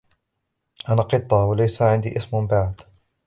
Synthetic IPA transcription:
ʔanaqɨt̪ˤːɑwalajsaʕɪnd̪iːʔɪsmbaʕd̪̥

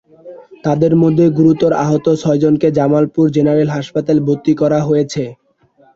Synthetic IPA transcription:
t̪ad̪eɾmod̪ʱːeɡuɾut̪ːoɾa̰ɦot̪ot͡ɕʰɔed͡ʑonked͡ʑamalpuɾd͡ʑenaɾelɦaʃpat̪alebʱot̪ːikɔɾaɦojet͡ɕʰe

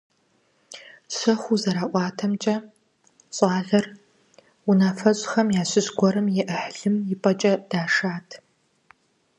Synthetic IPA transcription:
ɕɐxʷuzɐɾaːʔʷɑːtʰɐmt͡ʃʼɐ | ɕʼɑːɮɐr | unaːfɐɕʼxɐmjaːɕɪɕɡʷɔɾɐmjɛʔəħɮɨmjɪpʼɐt͡ʃʼɐd̥aːʂaːtʰ

